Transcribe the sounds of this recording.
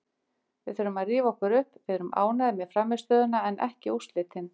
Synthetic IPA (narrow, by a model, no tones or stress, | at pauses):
vɪðθœɾʏmaðriːvaɔhkʏɾʏhpvɪðɾʏmʔa̰ːwnaðɪmjɛðfɾamːɪst̪œːðʏnaɛnʔɛ̰hcɪust̪lɪːt̪ʰɪn